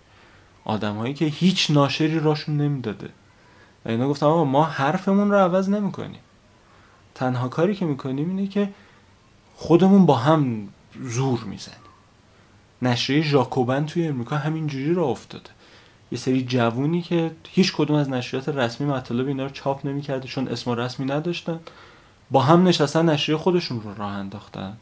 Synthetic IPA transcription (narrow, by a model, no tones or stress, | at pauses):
ʔɒ̰ːd̪æmhɒːjiːcʰe̞hiːt͡ʃʰnɒːʃe̞ɾiːɾɒːʃunːe̞miːd̪ɒːd̪ḛ | væ̰inɒːɡoft̪æmɒɣɒmɒːhæɾfe̞munroævæzne̞miːkʰo̰nḭːm | t̪ʰænɦɒːkʰɒːɾiːcʰe̞miːkʰo̞niːmiːnecʰe̞ | χod̪e̞munbɒːɦæm | zuːɾmḭːz̥æ̰niː | næʃɾiejeʒɒːkʰobænt̪ʰujeːmɾikʰɒːɦæmind͡ʒuːɾiːɾɒoft̪ɒ̰ːd̪̥e | je̞seɾiːd͡ʒævuːniːcʰe̞hiːt͡ʃʰkʰod̪umæznæʃɾijɒːt̪ʰeɾæsmimæt̪ʰɒːle̞beiːnɒːɾot͡ʃʰɒːpʰne̞miːcʰæɾd̪et͡ʃʰo̞nʔe̞̰smoɾæsmiːnæd̪ɒʃt̪æn | bɒːɦæmne̞ʃæst̪ænːæʃɾiejexo̞d̪e̞ʃunrorɒːhænd̪ɒːxt̪æ̰n